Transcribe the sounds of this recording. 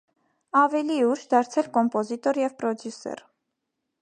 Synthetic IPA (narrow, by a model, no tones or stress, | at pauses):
ɑvɛliuʃd̪ɑɾt͡sʰɛlkɔmpɔzit̪ɔɾjɛvpɾɔd̪jusɛ̰ɾ